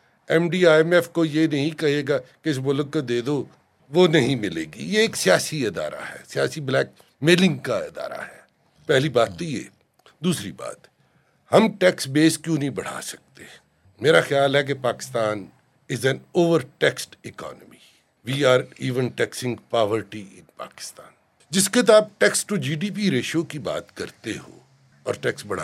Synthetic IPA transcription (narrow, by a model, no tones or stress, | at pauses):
ɛ̃mɖiːaːɛmɛfkojenɐɦĩkɐɦeːɡakeɪs̬mʊləɡkod̪eːd̪o | ʋonɐɦĩmɪlḛːɡḭjeeːksijaːsiɪd̪a̰ːɾa̰ɦɛ̰ːsɪjaːsiblɛːk̚ | mɪlɪ̃ŋɡkaɪ̰d̪a̰ːɾa̰ɦɛː | pɛɦlibaːt̪ːojḛː | d̪uːsɾiba̰ːt̪ | hɐmʈɛːksbeːskjũːnɐɦĩbɐɽ̤a̰ːsɐ̥k̚t̪e | meːɾaxɪjaːlɦɛk̬epaːkɪ̥st̪ãːn | ɪzɛ̃noːʋəɾʈɛksʈɪkɔ̰ːnəmi | ʋiːaːɾiːʋə̃nʈɛːksɪ̃ŋɡpaːʋəɾʈiɪ̰̃npa̰ːkɪ̥st̪ã̰ːn | d͡ʒɪskɪt̪̬aːp̚ʈɛksʈud͡ʒiːɖiːp̬iɾeːʃokiba̰ːt̪kɐɾt̪eho̰ː | ɔːɾʈɛksbɐɽ̤aː